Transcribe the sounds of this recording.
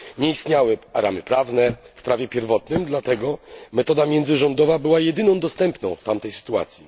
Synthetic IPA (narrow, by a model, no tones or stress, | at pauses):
ɲɛist̪ɲawɘaɾa̰mɘpɾavnɛfpɾavʲjɛpʲjɛɾvɔt̪nɘmd̪lat̪ɛɡɔmɛt̪ɔd̪amʲjɛnd̪zɘʐɔnd̪ɔvabɘwajɛd̪ɘnɔ̃w̃d̪ɔst̪ɛmpnɔ̃w̃ft̪amt̪ɛjsɘ̥t̪ua̰t̪sʲji